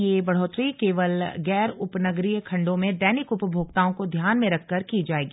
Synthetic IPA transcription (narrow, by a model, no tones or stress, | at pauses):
jeːbɐɽ̤oːt̪ɾikeːʋəlɡɛːɾʊpnəɡɾijkʰɐ̃ɳɖõmẽd̪ɛːnɪkʊpbʱoːɡt̪aːõkod̪ʱjaːnmẽɾɐkʰːɐɾkid͡ʒaːeːɡiː